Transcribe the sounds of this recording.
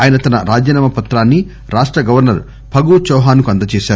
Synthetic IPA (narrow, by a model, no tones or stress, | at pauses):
aːjɐnɐt̪ɐnɐɾaːd͡ʒɐnaːmɐpɐt̪ɾaːnːi | ɾaːʂʈɾɐɡɐʋɐɾnɐɾ | pʰɐɡut͡ʃɔːɦaːnukuɐnd̪ɐt͡ʃeːʃaː